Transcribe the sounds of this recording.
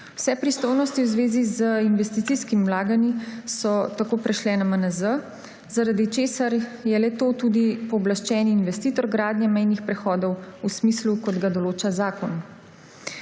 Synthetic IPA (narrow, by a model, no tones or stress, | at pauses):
wsɛpɾist̪ojnɔst̪iwzʋeːzizəinʋɛst̪it̪siskimwlaːɡanisɔt̪akoːpɾɛʃlɛnamənəzə | zaɾad̪it͡ʃeːsaɾjɛlɛt̪oːt̪ud̪ipɔːblaʃt͡ʃɛːniːnʋɛst̪iːt̪ɔɾɡɾaːd̪njɛmɛjnixpɾɛxɔːd̪ɔwusmislukɔd̪ɡad̪ɔloːt͡ʃazaːkɔn